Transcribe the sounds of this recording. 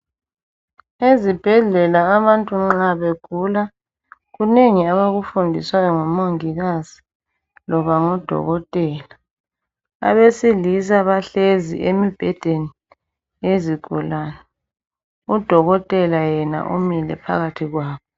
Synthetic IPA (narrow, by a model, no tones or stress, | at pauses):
ezib̥ʱɛɮɛlaːβantʼuŋ͡ǁaβeɡ̥ʱula | ɣuneŋiaβaɣufundʱiswajɔŋɔmoŋiɣaz̥i̥ | lɔβaŋɔd̥ʱɔ̰ɣɔtʼɛːla | a̰βesilisaβaɬezḭʔemib̥ʱɛd̥ʱeni | eziɡ̥ʱṵlaːna | ud̥ʱɔɣɔtʼɛlajɛna̰ʔumilɛ̰pʰa̰ɣatʰiɣwaːβɔ